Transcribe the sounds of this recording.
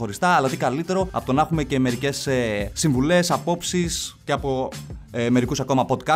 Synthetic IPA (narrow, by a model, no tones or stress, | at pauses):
o̞ɾist̪ɐːlɐt̪ikɐlit̪e̞ɾo̞ɐpot̪onɐxume̞ce̞me̞ɾice̞sesiɱvule̞sɐpo̞psisceɐpo̞eme̞ɾikusɐko̞mɐpo̞d̪kɐ